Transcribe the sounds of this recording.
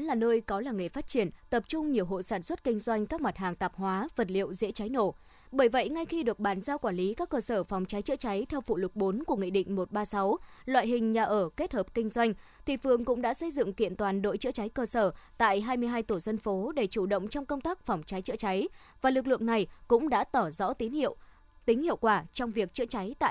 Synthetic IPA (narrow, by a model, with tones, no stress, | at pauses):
nlaː˨˩nəː˧jkɔ˨˦laː˨˩ŋ˨˩jfaː˦˥t̚t͡ɕi˧˩ənt̪ə˨˩p̚t͡ɕʊ˧ŋ͡mɲi˨˩əwɦo̰˧˨saː˧˩nswə˦˥t̚kï˧ŋ̟zwa˧jŋ̟kaː˦˥k̚ma˨˩t̚ɦaː˨˩ŋt̪aː˨˩p̚hwaː˨˦və˨˩t̚lḭ˧˨əwzḛ˧˥t͡ɕa˨˦jno̰˧˩ | ɓəː˧˩jvə̰˧˨jŋa˧jxi˧ɗɨ˨˩ək̚ɓaː˨˩nzaː˧wkwaː˧˩nli˨˦kaː˦˥kːəː˧səː˧˩fa˨˩wŋ͡mt͡ɕa˨˦jt͡ɕə̰˧˥t͡ɕa˨˦jt̪ʰɛ˧wfṵ˧˨lʊ˨˩k͡p̚ɓo˨˦nku˧˩əŋḭ˧˨ɗḭ̈˧˨ŋ̟mo˨˩t̚ɓaː˧sa˨˦wlwa̰˧˨jɦï˨˩ŋ̟ɲaː˨˩ʔəː˧˩ke˦˥t̚həː˨˩p̚kï˧ŋ̟zwa˧jŋ̟t̪ʰi˨˩fɨ˨˩əŋkʊ̰˧˥ŋ͡mɗa̰ː˧˥sə˧jzɨ̰˧˨ŋkḭ˧˨ənt̪waː˨˩nɗo̰˧˨jt͡ɕɨ̰˧˥t͡ɕa˨˦jkəː˧səː˧˩t̪a̰ː˧˨jɦaː˧jmɨ˧əjɦaː˧jt̪u˧˩zə˧nfo˨˦ɗe˧˩t͡ɕu˧˩ɗə̰˧˨wŋ͡mt͡ɕɔ˧wŋ͡mkə˧wŋ͡mt̪aː˦˥k̚fɔ˨˩wŋ͡mt͡ɕa˨˦jt͡ɕɨ̰˧˥t͡ɕa˨˦j | vaː˨˩lɨ˨˩k̚lɨ̰˧˨əŋna˨˩jkʊ̰˧˥ŋ͡mɗa̰ː˧˥t̪ɔ˧˩zɔ̰˧˥t̪i˨˦nhḭ˧˨əw | t̪ï˨˦ŋ̟hḭ˧˨əwkwaː˧˩t͡ɕɔ˧wŋ͡mvi˨˩ək̚t͡ɕɨ̰˧˥ət͡ɕa˨˦jt̪a̰ː˧˨